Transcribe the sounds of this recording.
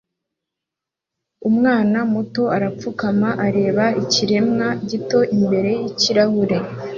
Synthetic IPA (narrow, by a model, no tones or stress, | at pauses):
umŋaːnamuto̞aɾap͡fukamaʔaɾe̞ːβaiciɾe̞mŋaɟito̞ʔimbe̞ɾe̞jiciɾahuɾe̞